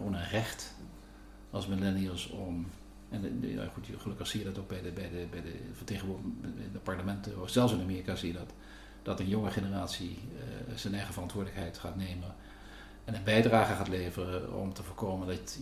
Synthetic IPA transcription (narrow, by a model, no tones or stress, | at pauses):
onənrɛχt | ɑlsmɪlɛniəlˠsɔm | ɛnna̰χutχəlɵkəχsijədɑtoɡ̚bɛjdəbɛjdəbɛjdəvəteːχəɪ̰dəpɑɹtəmɛntəofz̥ɛlˠsɪnamɪːrikaːzijədɑt | d̥ɑtənjɔŋəχenəraːtsi | z̥ɛnɛjχəvərɑntʋʊːdələkɦɛjtχaːtnejmən | ɛnənbɛjdraːχəχaːtlejvərəɔ̰mtəvʊːɹkowməndɑ